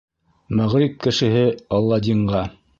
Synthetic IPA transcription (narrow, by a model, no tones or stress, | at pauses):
mæʁɾip̚kɘ̆ʃɘ̆ɦɘɑlˠːɑd̪ʲiɴɢɑ